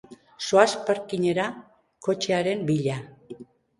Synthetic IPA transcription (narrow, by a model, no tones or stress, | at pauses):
soaspaɾkiɲe̞ɾa | ko̞t͡ʃeaɾe̞mbiʎa